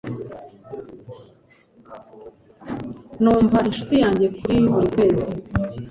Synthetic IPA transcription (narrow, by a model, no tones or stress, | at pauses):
nuːɱvaʔinʃu̥tijaːɲɟe̞kuɾiβuɾikwe̞ːzi